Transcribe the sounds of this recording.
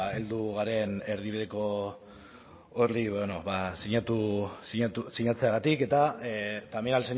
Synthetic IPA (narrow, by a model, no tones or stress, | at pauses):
e̞ld̪uɣaɾe̞ne̞ɾð̞iβiðe̞ko̞ | oriβnoβasiɲat̪usiɲat̪usiɲat͡se̞aɣat̪ike̞t̪at̪aminalseɲ